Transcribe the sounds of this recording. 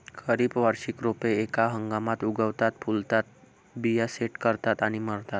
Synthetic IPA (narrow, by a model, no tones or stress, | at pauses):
kʰəɾiːbʋəɾɕikɾopeːkaɦəŋɡamat̪uɡəʋt̪at̪̚pʰult̪at̪̚ | bijaseʈkəɾt̪at̪aɽ̃iməɽt̪at̪